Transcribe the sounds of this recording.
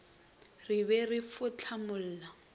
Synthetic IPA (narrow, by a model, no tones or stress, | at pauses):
ribɛrifʊt͡ɬʰamʊl̩ːla